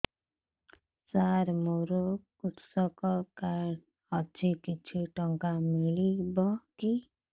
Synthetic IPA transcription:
saɾmoɾokuʈsɔkɔkaɽ | ʌt͡sʰikit͡sʰiʈɔŋkamiɭibɔki

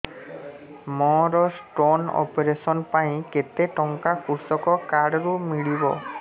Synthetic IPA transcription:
mɔɾɔsʈonɔ̰peɾesɔnpaj̃ket̪eʈɔŋkakuɾsɔkɔkaɽɔɾumiɭibɔ̰

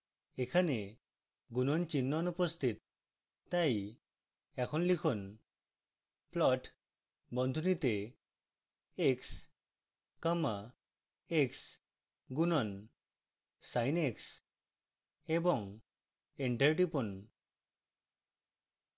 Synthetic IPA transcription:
ekʰane | ɡunɔnt͡ʃinːɔnupɔst̪ʰit̪ | t̪aj | ɛkʰɔnlikʰɔn | plɔʈ | bɔnd̪ʱunit̪e | eks | kəma | eks | ɡunɔn | sajneks | ebɔŋ | eɳʈeɾʈipɔn

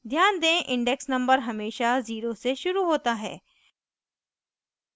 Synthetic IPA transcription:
d̪ʱjaːnd̪ẽʔɪ̃ɳɖɛksnɐ̃mbəɾɦɐmeːʃaziːɾoseʃʊɾuɦoːt̪aɦɛ̰ː

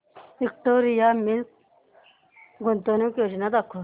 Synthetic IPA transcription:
ik̚t̪oɾijamin | ɡont̪onikʲoʃinad̪akʰːo

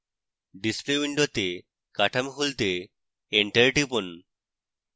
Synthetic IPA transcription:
ɖispliiɳɖot̪e | kaʈʰamɦult̪e | eɳʈeɾʈipon

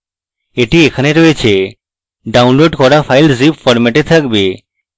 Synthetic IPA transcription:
eʈiekʰaneɾojet͡ɕʰe | ɖawnloɖkɔɾafajlzipfɔɾmɛʈet̪ʰakbe

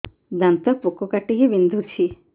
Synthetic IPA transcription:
d̪ɐnt̪ɐpukːokɐʈːiɡeʋind̪ʱut͡ʃʰi

